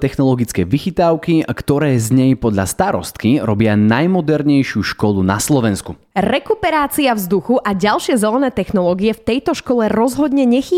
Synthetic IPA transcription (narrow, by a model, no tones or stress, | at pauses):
t̪ɛxnɔlɔɡit͡skɛːʋixit̪aʊkikt̪ɔɾɛːzɲɛjpɔd̪ʎa̰st̪aɾɔ̰st̪kiɾɔbɪanajmɔd̪ɛɾɲɛjʃɪuʃkɔluna̰slɔʋɛnsku | ɾɛkupɛɾaːt͡siavzd̪uxuʔaɟalʃɪɛzɛlɛnɛːt̪ɛxnɔlɔːɡiɛft̪ɛjt̪ɔʃkɔlɛɾɔzɦɔd̪ɲɛɲɛxiː